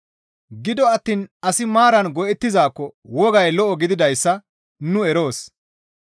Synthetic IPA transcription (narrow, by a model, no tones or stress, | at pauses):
ɡɪd̪ɔɐt̪ːiːnɐsɪmaːɾɐnɡɔʔɛt̪ːɪzaːkːɔwɔɡɐjlɔʔɔɡɪd̪ɪd̪ɐjsːɐ | nʊɛɾo̞ːs